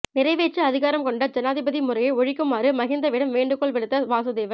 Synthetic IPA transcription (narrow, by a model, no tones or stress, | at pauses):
nɪɾɐɪʋeːʈt͡ʃːɯɐðɪɣaːɾɐmkɔɳɖɐd͡ʒɐnaːðɪbɐðimʊɾɐjɐɪɔɻɪkːɯmaːɾɯmɐɣɪnd̪ɐʋɪɽɐmʋeːɳɖɯkːɔɭʋɛɽɯt̪ːɐʋaːsɐðeːʋɐ